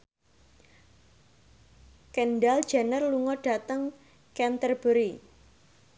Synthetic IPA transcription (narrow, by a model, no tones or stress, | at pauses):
kɛnɖald̥ʒ̥anərluŋɔɖ̥a̤t̪əŋ | kɛnt̪ərb̥əɾi